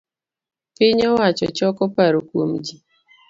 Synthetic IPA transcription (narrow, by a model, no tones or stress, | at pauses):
pɪɲɔwat͡ʃɔ̰t͡ʃɔkɔpaɾokwomd͡ʒi